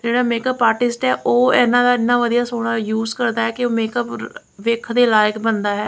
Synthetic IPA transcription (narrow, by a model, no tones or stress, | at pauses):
d͡ʒeːɽaːmeːkəpːaːʈɪsʈɛːʔoːɛːnãːd̪aːɪnãːʋəd̪ijaːsoːɽ̃aːjuːzkəɾd̪aːɦɛːkɪoːmeːkəp | ʋɪkʰd̪eːlaːjəkbənd̪aːɦɛː